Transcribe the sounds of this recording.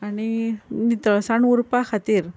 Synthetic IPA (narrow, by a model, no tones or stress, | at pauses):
aninit̪əsaɳuɾpakʰat̪iːɾ